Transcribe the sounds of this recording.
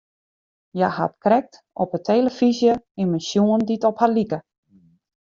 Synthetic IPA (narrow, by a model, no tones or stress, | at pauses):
jaha̰tkrɛk̚t | ɔpətʰeːləfizjəɪnmənsjuənditɔphalikə